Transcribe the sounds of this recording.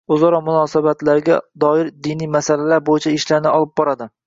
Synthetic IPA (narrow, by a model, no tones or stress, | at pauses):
ʊzɒɾɒmʊnɒːsabat̪laɾɡʲad̪ɒɪɾd̪ɪnijmasalalaɾbojɪt͡ʃʰaɪʃlaɾnɪɒlˠɪp̚bɒɾad̪ɪ